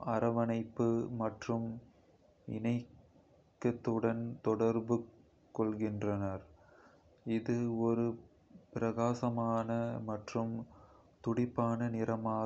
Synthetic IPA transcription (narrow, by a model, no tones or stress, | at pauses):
ɐɾɐʋɐnɐɪpːɯmɐʈrɯm | ɪ̰nɐɪ | kːɐt̪ːɯɽɐnt̪ɔɽɐɾbɯ | kːɔɭɣɪndrɐnɐɾ | ɪðɯɔɾɯ | pɪɾɐɣaːsɐmaːnɐmɐʈrɯm | t̪ʊɽɪpːaːnɐnɪɾɐmaː